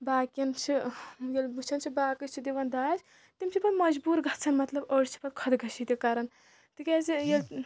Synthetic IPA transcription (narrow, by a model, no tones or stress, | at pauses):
baːkɐnt͡ʃʰijɐlbut͡ʃʰɐnt͡ʃʰibaːkɨt͡ʃʰid̪eʋɐnd̪aːd͡ʒ | t̪imt͡ʃʰipɐt̪mɐd͡ʒbuːɾɡʱɐt̪t͡sʰɐnmɐt̪lɐbəɽt͡ʃʰi̥pɐt̪̚kʰɐd̪ɡʱɐʃʰit̪ekaːɾɐn | t̪ikezijɐl